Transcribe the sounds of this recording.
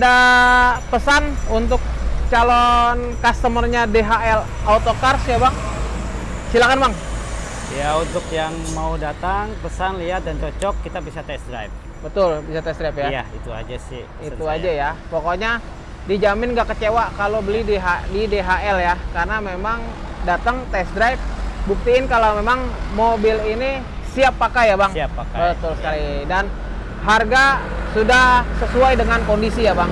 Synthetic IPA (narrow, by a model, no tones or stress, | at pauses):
da | pəsanunt̪̬ʊk̚t͡ʃalɔnkast̪əmərɲadeɦaɛl | aut̪okarsjabaŋ | silakanmaŋ | jaunt̪ʊkjaŋmaudat̪aŋpəsanliat̪̚dant͡ʃɔt͡ʃɔkːit̪abisat̪ɛst̪ɾa̰jp̚ | bət̪ʊlbisat̪ɛst̪ɾapjaja̰it̪ua̰d͡ʒasɪ̰h | iuad͡ʒajapokoɲa | did͡ʒamɪnɡaʔkət͡ʃewakalobəlidiɦadideɦaɛljakarənamemaŋ | dat̪əŋt̪ɛsdɾajp̚buk̚t̪iɪnkalawmemaŋmobɪlini | siapːakajabaŋakabət̪ʊlsə̥kalidan | ɦarɡa | sudahsəsuajdəŋankondisijabaŋ